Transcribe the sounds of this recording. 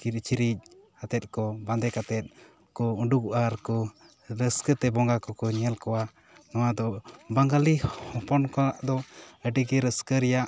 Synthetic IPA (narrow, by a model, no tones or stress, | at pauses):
kiɾ̚t͡ʃiɾic̚ | at̪ɛt̪̚kɔband̪ɛkat̪ɛt̪̚ˀ | kɔuɖukuʔaɾkɔ | ɾəskət̪ɛbɔŋɡakɔkɔɲɛlkɔwa | nɔwad̪ɔbaŋɡalihɔpɔnkɔaʔd̪ɔəɖiɡɛɾəskəɾɛjaʔ